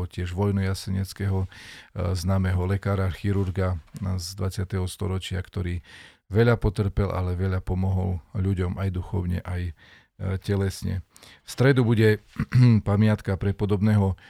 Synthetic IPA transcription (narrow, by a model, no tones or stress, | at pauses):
ɔcɪɛʒʋɔjnɔjasɛɲɛt͡skɛɦɔ | znaːmɛɦɔlɛkaːɾaxiɾuɾɡazd̪ʋat͡sɪat̪ɛɦɔst̪ɔ̰ɾɔt͡ʃɪakt̪ɔɾiː | ʋɛʎapɔt̪r̩pɛlʔa̰lɛʋɛʎapɔmɔɦɔlʎuɟɔmajd̪uxɔ̰ʊɲɛ̰ʔaj | cɛlɛsɲɛ̰ | fst̪ɾɛd̪ubuɟɛ | pamɪat̪kapɾɛpɔd̪ɔbnɛːɦɔ